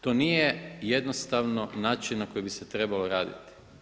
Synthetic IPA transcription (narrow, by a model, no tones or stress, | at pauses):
t̪o̞niːjeje̞d̪nost̪aʋno̞naːt͡ʃinnako̞jibiset̪ɾe̞balo̞ɾaːd̪ḭt̪i̥